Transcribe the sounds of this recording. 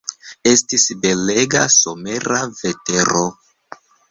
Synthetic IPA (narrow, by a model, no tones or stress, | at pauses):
e̞stisbe̞le̞ɡaso̞me̞ɾave̞te̞ɾo